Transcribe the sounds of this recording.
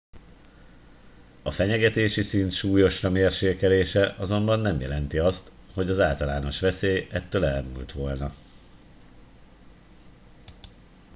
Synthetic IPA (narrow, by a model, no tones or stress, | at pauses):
ɒfɛɲɛɡɛt̪eːʃisint̪ʃuːjo̞ʃrɒmeːrʃeːkɛleːʃɛʔɒzo̞mbɒnːɛmjɛlɛnt̪iɒst̪ | ho̞ɟɒzaːlt̪ɒlaːno̞ʃʋɛseːjɛt̪ːøːlɛlmṵlt̪ʋo̞lnɒ